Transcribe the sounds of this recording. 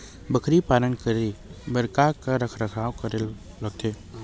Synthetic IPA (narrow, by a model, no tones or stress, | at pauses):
bəkʰɾipaːlənkəɾibəɾkakaɾəkʰɾɐkʰaːwkɐɾe | lɐɡ̚t̪ʰeː